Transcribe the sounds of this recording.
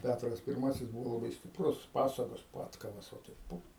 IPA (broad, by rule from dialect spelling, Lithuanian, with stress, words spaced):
ˈpʲætrɐs pʲɪrˈmɑːsʲɪs ˈbʊʋoː lˠɐˈbɐɪ sʲtʲɪpˈrʊs ˈpɑːsɐɡoːs ˈpɑːtkɐʋɐs ʋɐ ˈtɐɪp ˈpʊ